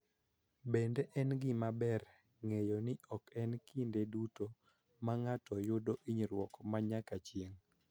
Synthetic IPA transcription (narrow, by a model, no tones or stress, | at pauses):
bendeʔɛnɡɪmabɛr | ŋejɔnɪʔɔkɛnkindeduto | maŋatɔjʊdoʔiɲɾwɔkmaɲakat͡ʃjeŋ